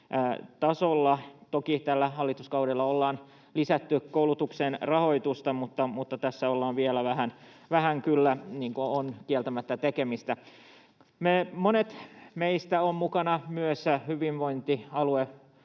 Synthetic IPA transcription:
t̪ɑsolːɑt̪okit̪ælːæhɑlːit̪uskɑudelːɑolːɑːn | lisæt̪ːykoulut̪uksenrɑho̞it̪ust̪ɑmut̪ːɑmut̪ːɑt̪æsːæolːɑːnʋielæʋæhæn | ʋæhæŋkylːæniːŋkoonkielt̪æmæt̪ːæt̪ekemist̪æ | memonet̪meist̪æommukɑnɑmyøshyʋinʋoint̪iɑlue

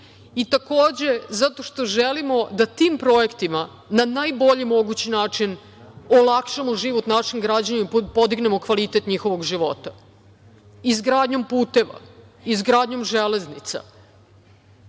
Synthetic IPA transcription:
it̪akoːd͡ʑe̞zat̪o̞ʃt̪o̞ʒelimo̞d̪at̪iːmpɾo̞ekt̪ima | nanajbo̞ʎimo̞ɡut͡ɕinaːt͡ʂin | olˠakʃamoʒiʋot̪naːʃiŋɡɾaːd͡ʑanipod̪iɡne̞mo̞kʋalit̪et̪ɲixo̞ʋo̞ɡʒiʋo̞t̪ḁ | izɡɾaːd̪ɲo̞mpuːt̪e̞ʋa̰ | izɡɾaːd̪ɲo̞mʒeleznit̪sa̰

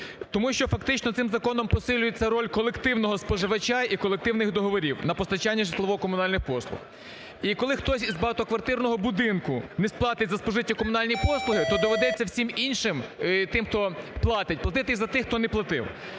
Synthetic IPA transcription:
t̪ɔmuʃt͡ʃɔfɐkt̪ɪt͡ʃnɔt̪sɪmzɐkɔnɔmpɔsɪlʲʊjet͡sʲːɐɾɔlʲkɔlˠekt̪ɪwnɔɦɔspɔʒɪʋɐt͡ʃaikɔlˠek̚t̪ɪwnɪxd̪ɔɦɔʋɔɾʲiwnɐpɔst̪ɐt͡ʃanʲːɐʒeslˠɐʋɔkɔmʊnɑlʲnɪxpɔslˠʊ̰x | ikɔlˠɪxt̪ɔsʲizbɑt̪ɔkʋɐrt̪ɪrnɔɦɔbʊd̪ɪnkʊnɛsplˠɑt̪ɪtʲzɐspɔʒɪtʲːɐkɔmʊnɑlʲnʲijpɔslˠʊɦɪt̪ɔd̪ɔʋed̪ɛt͡sʲːɐwsʲiminʲʃɪmt̪ɪmxt̪ɔplˠɑt̪ɪt̚ʲplˠɐt̪ɪt̪ɪzɐt̪ɪxt̪ɔnɛplˠɐt̪ɪ̰w

